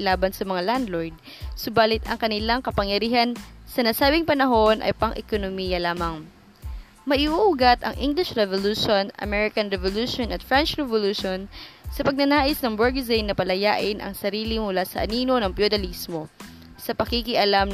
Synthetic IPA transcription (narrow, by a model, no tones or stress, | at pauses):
laːbɐnsɐmɐŋaland̪lojd̪̚ | sʊbaːlɪt̪ɐ̰ŋkɐnɪlaŋkɐpɐŋjɐɾiːhɐnsɐnɐsaːbɪŋpɐnɐɦo̞nʔɐ̰jpɐŋʔɛ̰konomijɐlaːmɐŋ | mɐʔiʔuʔuɡat̪ʔɐ̰ŋʔiŋɡlɪʃɹɛvoluːʃonɐ̰mɛɹɪkɐnɹɛvoluːʃonʔɐt̪fɹɛnt͡ʃɹɛvoluʃonsɐpɐɡ̚nɐnaːʔɪsnɐŋbɛɹɡzijnɐpɐlɐjaːʔɪnʔɐ̰ŋsɐɾiːlimʊlaːsɐʔɐniːno̞nɐŋpjod̪ɐlismo̞ | sɐpɐkikiʔɐlam